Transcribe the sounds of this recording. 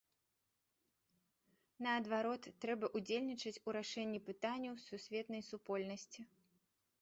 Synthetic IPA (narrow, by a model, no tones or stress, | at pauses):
nɐɐd̪vaɾɔt̪ːɾɛbɐʔud͡zʲelʲnʲit͡ʂɨt͡sʲuɾaʂɛnʲːipɨt̪anʲːɐwsusʲvʲɛt̪nɐjsupɔlʲnɐsʲt͡sʲi